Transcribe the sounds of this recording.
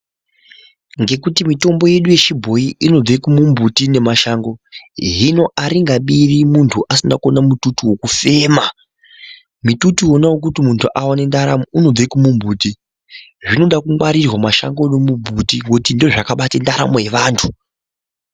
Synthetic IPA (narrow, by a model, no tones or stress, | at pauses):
ŋɡe̞kutimito̞mbo̞je̞ɗuje̞t͡ʃibʱo̞jiʔino̞d͡zekumumbutine̞maʃaŋɡo̞ɦino̞ʔaɾiŋɡaɓirimuntʰuʔasinako̞namututiwo̞kufe̞ːma | mitutuo̞nawok̬utimuntʰuʔawane̞ndaɾamouno̞d͡zekumumbʱuːti | ʐino̞ɗakuŋwaɾirwamaʃa̰ŋɡo̞nomumbʱutiwotindoʐakaɓatendaɾa̰moje̞ʋaːntʰu